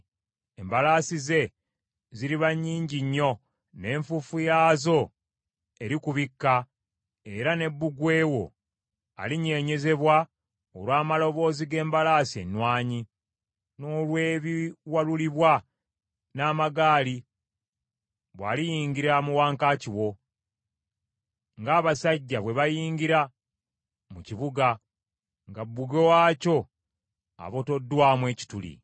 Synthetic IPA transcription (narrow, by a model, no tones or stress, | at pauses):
embalaːsize̞ | ziɾiβaɲːiːɲɟiɲːo̞ | ne̞ːɱfufujaːzo̞ | e̞ɾikuβikːa | e̞ɾane̞bːuɡwe̞ːwo̞̰ | a̰liɲe̞ːɲe̞ze̞βwa | o̰lwaːmalo̞βo̞ːziɡe̞ːmbalaːsiḛnwaːɲi | no̞ːlwe̞ːβiwaluliβwa | naːmaɡaːli | βwa̰ːlijiːŋɡiɾamuwaːŋkaːciwo̞ | ŋɡaːβasaɟːaβwe̞βajiːŋɡiɾa | muciβuɡa | ŋɡabːuɡewaːco̞ | a̰βo̞to̞dːwaːmwe̞ːci̥tulḭ